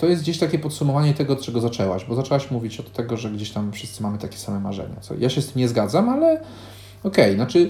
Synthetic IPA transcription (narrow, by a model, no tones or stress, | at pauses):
t̪ɔjɛst̪̚d͡ʑeɕt̪akʲɛpɔt̪sumɔvaɲɛt̪ɛɡɔːt̪t͡ʂɛɡɔzat͡ʂɛwa̰ɕbɔzat͡ʂɛwaɕmuvʲit͡ɕɔt̪ːɛɡɔʐɛɡd͡ʑeɕt̪amfʂɘ̥st̪sɘmamɘt̪akʲɛ̥samɛma̰ʐɛ̰ɲa̰t̪sɔ̰jʔaɕɛst̪ɘmɲɛzɡad̪zamalɛ | ɔkɛjnat͡ʂɘ